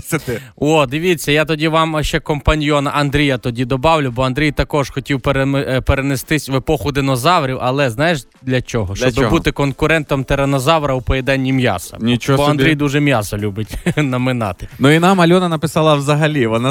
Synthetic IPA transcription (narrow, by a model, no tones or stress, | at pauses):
sɐt̪ɪɔd̪ɪʋʲit͡sʲːɐjat̪ɔdʲiʋɑmʃt͡ʃɛkɔmpɐnʲjɔnɐʔɐnd̪ɾʲijɐt̪ɔdʲid̪ɔbɑwlʲʊbɔɐnd̪ɾʲijt̪ɐkɔʒxɔtʲiwpeɾepeɾenest̪ɪsʲʋepɔxʊd̪enɔzɑwɾʲiwʔɐlˠɛznɑjeʃ | d̪lʲɐt͡ʃɔɦɔʃɔbɪbut̪ɪkɔnkʊɾɛnt̪ɔmt̪eɾenɔzɑwɾɐwpɔjed̪ɛnʲːimjɑ̰sɐ̰nʲit͡ʃbɔɐnd̪ɾijd̪uʒɛmʲjɑsɔlʲubɪtʲnɐmɪnɑ̰t̪ɪnuinɑmɐlʲɔnɐnɐpɪsɑlˠɐwzɐɦɐlʲiʋɔna